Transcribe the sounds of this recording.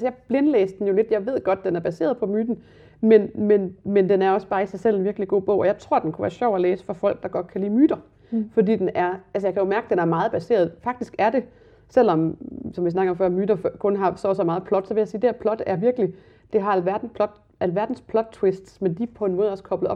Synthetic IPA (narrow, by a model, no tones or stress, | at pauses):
æsəjɑ̈ɪb̥le̝nlḛːsd̥en̩jo̝le̝d̥jɑ̈ɪʋe̝ð̞̰ˠɡ̥ɒ̽d̥̚d̥enæɐb̥æse̝̰ːɐðˠpʰɒ̽myːd̥n̩ | menmenmend̥enæɐɒ̽sb̥ɑ̈ːisɑ̈ɪsel̰e̝nʋiɐɡ̥liɡ̥o̝̰ːb̥ɔ̰ʊ̰ɒ̽jɑ̈ɪt͡sʰʁo̝ɐ̰d̥enkʰuʋæ̰ːɐɕɒʊ̰æleːsə̥fɒ̽fɒ̽l̰ɡ̥̚d̥ɑ̈ɡ̥ɒ̽d̥̚kʰælḭːmyːd̥ɐ | fɒ̽dḭːd̥enæɐælsəjɑ̈ɪkʰæjo̝mæɐɡ̥əd̥enæɐmɑ̈ːð̞̩ˠb̥æse̝̰ːɐð̞ˠfɑ̈ɡ̥̚d̥isɡ̥æɐd̥e̝ | sel̰ɒ̽msɒ̽mʋis̬nɑ̈ɡ̥ɐɒ̽mfɶɐ̰myːɾ̥ɐfkʰɔ̽nɦɑ̈sɒsɒmɑ̈ːð̩ˠpʰlɒ̽d̥sɒʋe̝jɑsiːd̥eæɐpʰlɒ̽d̥æɐʋiɐɡ̥əli | d̥e̝ɦɑ̈ælʋæɐd̥n̩pʰlɒd̥ | ælʋæɐd̥n̩spʰlɒ̽d̥̚t͡sʰwesd̥smend̥ipʰɒ̽e̝nmɔ̽ːð̩ˠɒ̽skʰɒ̽b̥lð̩ˠɒ̽b